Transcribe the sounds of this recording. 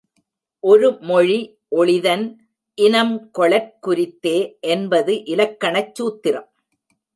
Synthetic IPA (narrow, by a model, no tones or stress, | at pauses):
ʔɔɾɯmɔɻi | ʔɔɭɪðɐn | ʔɪnɐmkɔɭɐɾ̚kʊɾɪt̪ːeːʔɛnbɐðɯʔɪlɐkːɐɳɐt͡ʃːuːt̪ːɪrɐm